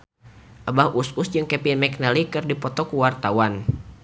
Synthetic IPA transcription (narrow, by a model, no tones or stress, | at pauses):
ʔabahususd͡ʒɨŋkɛpinmɛk̚nalikɨrdipɔt̪ɔkuwart̪awan